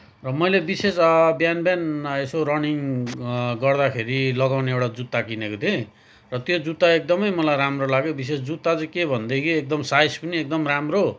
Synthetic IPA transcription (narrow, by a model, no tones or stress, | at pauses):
rʌmʌjlebisesbjanbanesorʌniŋ | ɡʌrd̪akʰeɾilʌɡawneewʈad͡zut̪ːakinekot̪ʰe | rʌt̪jod͡zut̪ːaek̚d̪ʌmʌjmʌlajɾamrolaɡjobisesd͡zut̪ːad͡zʌkebʱʌnd̪ekʰiek̚d̪ʌmsajspʌniek̚d̪ʌmramro